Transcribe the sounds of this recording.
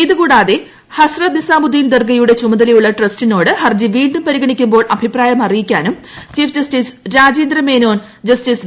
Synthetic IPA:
iðɨkuːɽaːðe | hɐsrɐt̪̚nisaːmud̪iːnd̪ɐrɡɐjuɽe̞t͡ɕumɐðɐlɐjuɭːɐʈrɐstino̞ːɽɨhɐrd͡ʑiʋiːɳɖumpɐɾiɡɐɳikʲːumbo̞ːɭʔɐbʱipraːjɐmɐrijikʲːaːnum | t͡ɕiːfd͡ʑɐstisɾaːd͡ʑeːnd̪rɐmeːno̞ːn | d͡ʑɐstiːs

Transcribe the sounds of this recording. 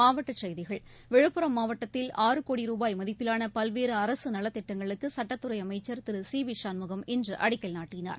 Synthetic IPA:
aːʋɐʈːɐt͡ʃɛjðɪɣɐɭ | ʋɛɻɯpːɯɾɐmːaːʋɐʈːɐt̪ːɪlaːɾɯkoːɽiɾuːbaːjmɐðɪpːɪlaːnɐpɐlʋeːɾɯɐɾɐsɯnɐlɐt̪ːɪʈːɐŋɡɐɭɯkːɯsɐʈːɐt̪ːɯɾɐɪɐmɐɪt͡ʃːɐɾt̪ɪɾɯsiːʋɪʂaːnmʊɣɐmɛndrɯʔɐɽɪkːɐlnaːʈːɪna̰ːɾ

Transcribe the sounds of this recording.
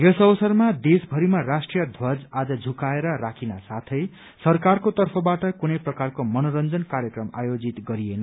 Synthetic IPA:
jʌsʌbʌsʌrmad̪esbʱʌɾimarasʈrijʌd̪ʱwʌd͡zad͡zʌd͡zʱukaeɾʌrakʰinasat̪ʰʌj | sʌrkarkot̪ʌrpʰʌbaʈʌkunʌjprʌkarkomʌnoɾʌnd͡zʌnkaɾjʌkrʌma̰jod͡zit̪ɡʌɾienʌ

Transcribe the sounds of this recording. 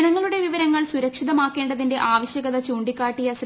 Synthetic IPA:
ɳɐŋːɐɭuɽe̞ʋiʋɐɾɐŋːɐɭsuɾɐkʂiðɐmaːkːe̞ːɳɖɐðinde̞ʔaːʋɐɕjɐɣɐðɐt͡ɕuːɳɖikːaːʈːijɐs

